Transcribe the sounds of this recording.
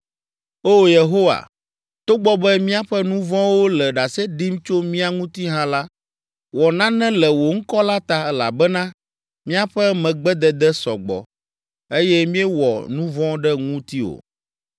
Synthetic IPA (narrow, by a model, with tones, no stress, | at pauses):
o˦je˨ɦo˦wa̰˨ | t̪o˦ɡ͡bɔ˦bɛ˦mĩ˦a˦ɸɛ˦nũ˦vɔ̃˦wo˦lɛ˨ɖa˨sɛ˦ɖi˦mt͡ʃo˦mĩ˦a˦ŋũ˦t̪i˦ɦã˦la˦ | wɔ˨nã˦nɛ̃˦lɛ˨wo˨ŋ̩˦kɔ˦la˦t̪a˦ɛ˦la̰˨bɛ˦nã˦ | mĩ˦a˦ɸɛ˦mɛ̃˨ɡ͡bɛ˦d̪ɛ˨d̪ɛ˦sɔ̰˨ɡ͡bɔ̰˨ | e˦jɛ˦mĩ˦ɛ˦wɔ̰˨nũ˦vɔ̃˦ɖɛ˦ŋũ˦t̪i˦o̰˨